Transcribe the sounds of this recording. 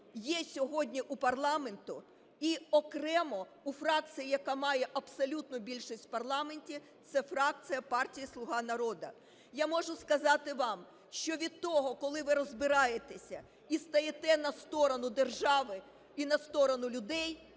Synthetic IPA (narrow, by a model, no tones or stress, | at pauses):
jɛsʲɔɦɔdʲnʲiʔupɐrlˠɑme̞nt̪ʊ | iɔkɾɛmɔ | ufɾɑk̚t̪sɨjijɐkɑmɑjɛʔɐbsɔlʲut̪nʊbʲilʲʃisʲtʲpɐrlˠɑmenʲtʲi | t̪sɛfɾɑk̚t̪sɨjɐpɑrtʲijislˠʊɦɑnɐɾɔd̪ɐ | jamɔʒʊskɐzɑt̪ɪʋɑm | ʃt͡ʃɔʋʲid̪̚t̪ːɔɦɔkɔlˠɪʋɪɾɔzbɪɾɑjet̪esʲɐ | ist̪ɐjet̪ɛnɐst̪ɔɾɔnʊd̪erʒɑʋɪ | inɐst̪ɔɾɔnʊlʲʊd̪ɛj